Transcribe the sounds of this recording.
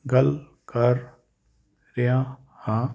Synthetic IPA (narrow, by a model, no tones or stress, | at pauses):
ɡɐl | kɐɾ | ɾɪã | hã